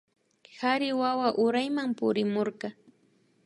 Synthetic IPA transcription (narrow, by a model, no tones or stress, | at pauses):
haɾɪwawaʔʊɾajmampʊɾɪmoɾɢɑ